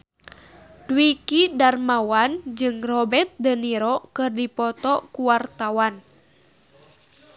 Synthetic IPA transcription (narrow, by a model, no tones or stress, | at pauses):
dwikidarmawand͡ʒɨŋrɔbɛt̪̚dəniɾɔkɨrdipɔt̪ɔkuwart̪awan